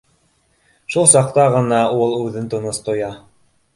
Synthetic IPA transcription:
ʃulˠsɑq̚t̪ɑʁɤ̆nɑulˠʉðɘnt̪ŏnost̪ŏjɑ

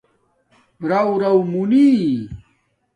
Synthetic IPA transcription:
ɾɐwɾɐwmuni

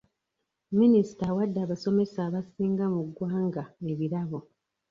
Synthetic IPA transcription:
minisi̥tawadːaːβaso̞me̞saːβasiːŋɡamuɡwaːŋɡae̞βiɾaβo̞

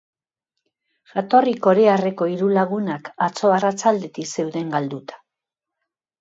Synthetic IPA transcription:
ʝat̪o̞riko̞ɾeare̞ko̞iɾulaɣunakat͡so̞arat͡sald̪e̞t̪ikse̞wðe̞ŋɡald̪ut̪ḁ

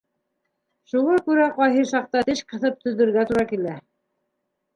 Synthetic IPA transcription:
ʃuʁɑkʉɾæqɑjɦɤʃɑq̚t̪ɑt̪ɘʃqɤ̆θɤp̚t̪ɵ̆ðɘ̆ɾɡæt̪uɾɑkilæ

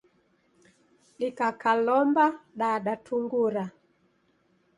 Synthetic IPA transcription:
ɗikakalɔmbaɗaɗatʰuŋɡuɾa

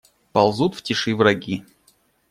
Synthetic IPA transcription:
pɐlˠzut̪ftʲɪʂɨvɾɐɡʲi

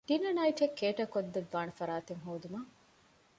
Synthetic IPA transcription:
t̪inɐnɐiʈʰekːeːʈɐkod̪ːɐʋːaːnɐfɐɾaːt̪eŋɦoːd̪umɐ

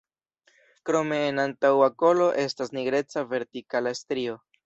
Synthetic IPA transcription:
kɾo̞me̞ːnantawako̞lo̞ʔe̞stasniɡɾe̞t͡save̞ɾtikalaestɾio̞

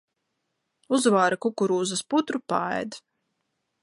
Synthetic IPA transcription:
uzvaːɾakukuɾuːzasput̪ɾupa̰ɛ̰jd̪

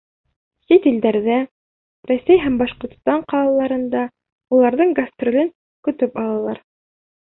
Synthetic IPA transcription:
sʲit̪ild̪æɾðæ | ræsæjɦæmbɑʃqŏɾt̪st̪ɑɴqɑlˠɑlˠːɑɾɤ̆nd̪ɑ | ulˠɑɾðɤɴɡɐst̪rʲolɘŋ | kɵ̆t̪ɵpɑlˠɑlˠɑɾ

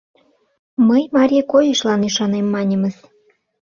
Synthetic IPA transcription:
məjmɑɾʲikojəʃlɑnyʃɑnemːɑnʲə̆mə̆z

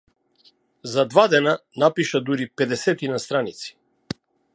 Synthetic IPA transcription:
zad̪vad̪ɛnanapiʃad̪uɾipɛd̪ɛsɛt̪inast̪ɾanit̪si̥

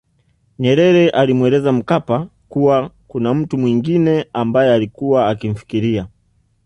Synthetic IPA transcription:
ɲɛɾɛɾɛʔalimwɛlɛzam̩kapakuwakunam̩tumwiŋɡinɛambajɛalikuwaːkim̩fi̥kiɾia

